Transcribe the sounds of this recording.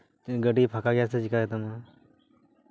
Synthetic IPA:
ɡəɖipʰakaɡjaset͡ʃikaɡɛt̪ana

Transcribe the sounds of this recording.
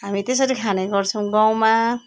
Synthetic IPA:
ɦamit̪es̬ʌɾikʰanajɡɔɾt͡sʰumɡaw̃ma

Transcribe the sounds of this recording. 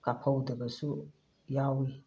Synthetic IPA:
kapʰawudəbəsʊ | jawi

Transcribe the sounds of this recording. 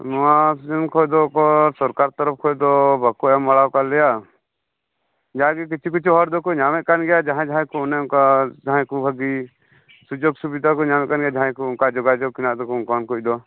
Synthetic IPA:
nɔwasud͡ʒɔnkʰɔjd̪ɔkɔsɔɾkaɾt̪ɔɾɔp̚kʰɔjd̪ɔbʱakːɔɛmaɽawkalɛja | d͡ʒaɡik̬it͡ʃʰikit͡ʃʰɦɔɾd̪ɔkɔɲamɛʔ̚kanɡɛjad͡ʒaɦãd͡ʒaãjkɔnɛukad͡ʒaɦãjkubʱəɡi | sud͡ʒoɡsubid̪ʱakɔɲamɛ̃ʔ̪̚kanɡɛjad͡ʒaɦãjkɔnkad͡ʒɔɡad͡ʒɔɡ̚kinaʔd̪ɔkɔnkɔnkʰuc̚d̪ɔ

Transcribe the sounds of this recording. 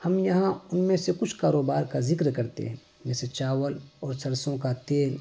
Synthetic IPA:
hɐmjɐɦãʊnmẽsekʊt͡ʃʰkaːɾoːbaːɾkazɪkɾkɐɾt̪ḛɦɛ̃ | d͡ʒɛːset͡ʃaːwəlɔːɾsɐɾsõkat̪eːl

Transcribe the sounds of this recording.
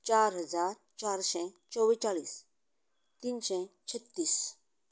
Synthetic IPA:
t͡ʃaːɾɦəzaːɾ | t͡ʃaːɾsɛ̃ | t͡ʃɔwit͡ʃaːliːs | t̪iːnsɛ̃t͡ʃʰət̪ːiːs

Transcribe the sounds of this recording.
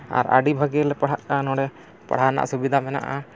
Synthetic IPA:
a̰ɾa̰ɖibʱaɡɛlɛpaɽaʔʈanɔɽɛ | pa̰ɽ̤ana̰ʔsubid̪ʱamɛna̰ʔa

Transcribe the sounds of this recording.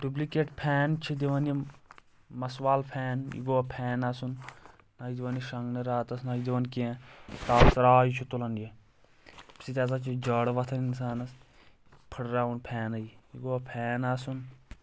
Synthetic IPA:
ɖublikeːʈpʰɛːnt͡ʃʰid̪iʋɐnje | mɐswaːlpʰɛːnjḭɡoːapʰɛːnasun | naːjid̪iʋɐniʃɐŋɡnɐɾaːt̪ɐsnaːjid̪iʋɐnkiẽt̪aːsɐɾaːjit͡ʃʰut̪ulɐnje | pi̥sit̪ʲaːs̬at͡ʃʰid͡ʒɐːɽʋɐt̪ʰɐninsaːnɐs | pʰiɽɾaːʋunpʰɛːnɐiiɡoapʰɛːnaːsun

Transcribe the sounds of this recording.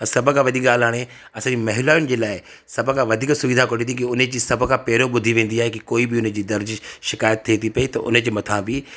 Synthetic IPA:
ɐ̃sɐbʱkʰãʋɐd̪ʱiːk̚ɠaːlaːɽ̃e | ɐsãːd͡ʑimɐɦɪlaːjʊnɪ̆d͡ʑeːlaːɪ | sɐbʱkãʋɐd̪ʱiːksʊʋɪd̪ʱakoɽĩt̪ikiʊned͡ʑiːsɐbʱkʰãpɛːɾõɓʊd̪ʱiʋẽːn̆d̪iaːɦekikoːibɪʊñd͡ʑiːd̪ɐɾd͡ʑʃɪkaːjət̪ʰːeːt̪ipɐit̪ɐ̰ʔʊ̰nəd͡ʑemɐt̪ʰãbi

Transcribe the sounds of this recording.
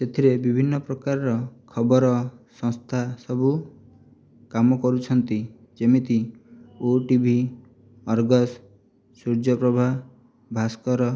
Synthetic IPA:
set̪ʰiɾebibʱinːɔpɾɔkaɾɔɾɔkʰɔbɔɾɔsɔ̃ŋst̪ʰasɔbu | kamɔkɔɾut͡ʃʰɔnt̪i | d͡ʒemit̪ioʈibʱi | ɔɾɡɔs | suɾd͡ʒɔpɾɔbʱa | bʱaskɔɾɔ

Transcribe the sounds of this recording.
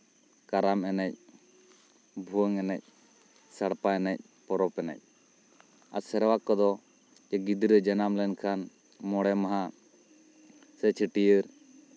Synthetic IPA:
kaɾamɛnɛc̚ | bʱuwəŋɛnɛc̚ | saɽpaɛnɛc̚ | pɔɾɔpɛnɛ̰c̚ | a̰sɛɾwakːɔd̪ɔ | d͡ʒɛɡid̪ɾəd͡ʒɛnamlɛnkʰan | mɔɽɛmaɦa | sɛt͡ʃʰiʈijəɾ

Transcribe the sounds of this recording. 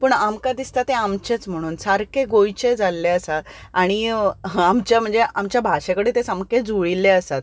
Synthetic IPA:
pəːɳamkad̪ist̪at̪eamt͡ɕet͡sm̤əɽ̃uːnsaɾkeɡojt͡ɕed͡zalːeəsat̪aɽ̃iamt͡ɕjam̤əɳd͡zeʔamt͡ɕjabʱaɕẽkəɽet̪esamked͡zuɭilːeəsat̪̚

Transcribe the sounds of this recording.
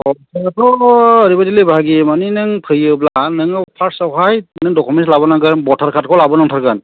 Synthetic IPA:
ɔ | sɔəɾibadilibʱaɡimaninɯŋpʰɯjɯblanɯŋpʰasaɦʰajnɯŋdɔkʰɔmɛnslabɔnaɡabɔtʰaɾkʰat̚kʰɔlabɔnaŋtʰaɾkan

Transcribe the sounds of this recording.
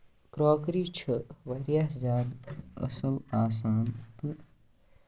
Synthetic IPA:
kɾoːkɾiːt͡ʃʰɐʋɐɾjaɦzʲaːd̪ɐ̰sɐlaːs̬aːnt̪ɨ

